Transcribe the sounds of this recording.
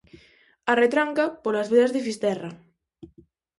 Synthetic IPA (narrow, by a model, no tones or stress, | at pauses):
aret̪ɾaŋkapolazβeðazðefist̪ɛra